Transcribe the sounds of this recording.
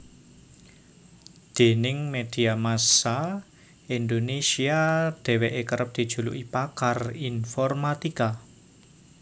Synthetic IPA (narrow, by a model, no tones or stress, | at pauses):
d̪̥e̤nɪŋmed̪̥i̤amasa | ind̪onesiad̪̥ɛ̤weʔekəɾəp̚d̪̥i̤d̥ʒ̥ṳlṵʔipakarinfɔrmat̪ika